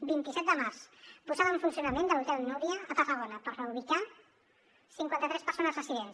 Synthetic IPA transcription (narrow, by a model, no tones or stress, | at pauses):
bint̪isɛt̪̚d̪əmarzpuzaðəuɱfunsiunəmẽnd̪əlut̪ɛld̪nuβiəət̪ərəɣonəpəɾrəβuβika | siŋkwant̪ət̪ɾɛspəɾsonəzrəsiðens